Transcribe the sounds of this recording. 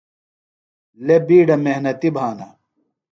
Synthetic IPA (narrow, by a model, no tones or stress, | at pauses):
lebiːɖɐmeɦnɐt̪ibʱaːnɐ̰